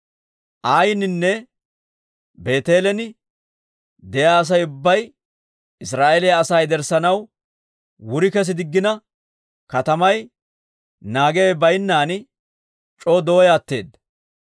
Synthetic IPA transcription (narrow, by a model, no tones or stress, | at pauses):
ʔaːjɪnɪnːɛ | be̞ːt̪e̞ːlɛnɪ | d̪ɛjaːɐs̬ɐjʊbːɐj | ɪs̬ɾaːʔelɛjɐɐsɐjd̪ɛɾsɐnɐw | wʊɾɪkɛs̬ɪd̪ɪɡːɪnɐ | kɐt̪ɐmɐj | naːɡe̞ːbɐjnːaːn | t͡ʃʼoːd̪o̞ːjaːt̪ːe̞̰ːd̪